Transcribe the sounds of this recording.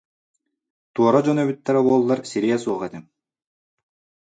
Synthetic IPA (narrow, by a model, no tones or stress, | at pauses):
t̪uɔɾɔd͡ʑɔnœβyt̪ːɛɾɛbuɔlˠːaɾsiɾiɛsuɔʁɛt̪im